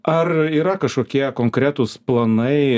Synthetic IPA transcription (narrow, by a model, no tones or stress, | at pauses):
ʔɐriːɾɐkɐʃkoːkʲiɛkoːŋkɾʲæt̪ʊsplˠɐnɐɪ